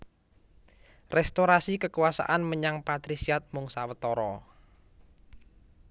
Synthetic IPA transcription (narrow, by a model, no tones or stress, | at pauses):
rɛst̪oɾasikəkuwasa̰ʔanməɲaŋpat̪ɾisiat̪̚mʊŋsawət̪ɔɾɔ